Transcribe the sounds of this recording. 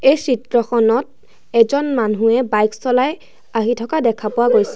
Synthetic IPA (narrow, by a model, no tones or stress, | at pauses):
ejsitɹɔxɔnɔt̚ | ɛzɔnmanɦũɛbajksɔlaj | aɦitʰɔkadɛkʰapʊwaɡojsɛ